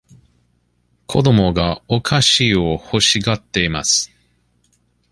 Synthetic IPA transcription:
kʰo̞d̪o̞mo̞ɡaokʰaɕiːo̞ho̞ɕiɡat̪ːe̞ima̰sɨ̥

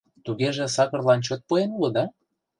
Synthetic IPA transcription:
t̪uɣeʒĕsɑkɤ̆rlɑnt͡ɕot̪̚poenuləd̪ɑ

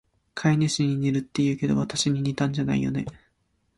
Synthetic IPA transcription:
kʰaineɕiɲ̟iɲʲeɾɯ̟t̪ːe̞jɯ̟ːke̞d̪o̞̰βat̪aɕiɲ̟iɲ̟it̪ãɲ̟d͡ʑana̰ḭjo̞̰ne̞̰

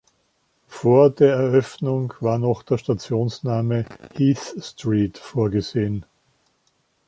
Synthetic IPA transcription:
foːɐdeːɐɛɐʔœfnʊŋv̥aːɐnɔχd̥eːɐʃtat͡sjoːnsnaːməhiːθstʁiːtfoːɐɡəzeːən

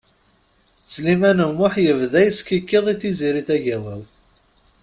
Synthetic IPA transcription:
t͡sːlimænəmːʊħjəvðæjəskikːeðˤiθiziɾiθæʝæwæw

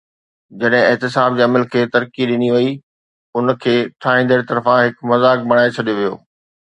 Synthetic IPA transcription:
d͡ʑɐɗɦɪ̃ɪɦt̪ɪsaːb̚d͡ʑeːɐməlkʰeːt̪ɐɾkiɗɪniʋɐi | ʊnkʰeːʈʰaːɦĩːnd̪əɾit̪ɐɾfãɦɪkmɐzaːk̚bɐɽ̃aːet͡ɕʰɐɗijoʋijo̰ː

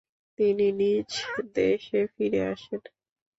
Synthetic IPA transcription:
t̪ininid͡ʑd̪eʃefiɾeaʃen

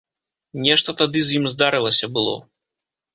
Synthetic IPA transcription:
nʲɛʂt̪ɐt̪ad̪ɨzʲjimzd̪aɾɨlˠɐsʲɐbɨlˠɔ̰

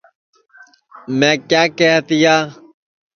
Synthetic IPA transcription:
mɛ̃ːkjaːkeɦt̪ijaː

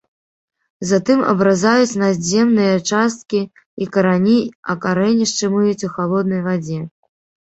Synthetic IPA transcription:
zat̪ɨmɐ̰bɾazajut͡sʲnazʲɛmnɨjɐt͡ʂast̪̚kʲi | ikɐɾanʲiɐ̰kaɾɛnʲiʂt͡ʂɨmujut͡sʲuxalˠɔd̪̚nɐjvad͡zʲɛ

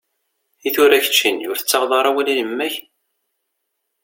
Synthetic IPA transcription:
iθʊɾæçə̥t͡ʃːinjʊɾθət͡sːɑʁðˤɑɾˤɑwælinəmːæç

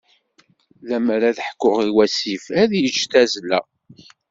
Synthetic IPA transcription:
læmɾæðəħkːʊʁiwæsifæðjəd͡ʒt̪æzlæ̰

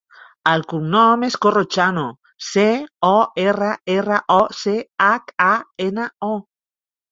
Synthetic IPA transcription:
alkuŋnomeskorot͡ʃano | seoeraeraʔoseakaenao

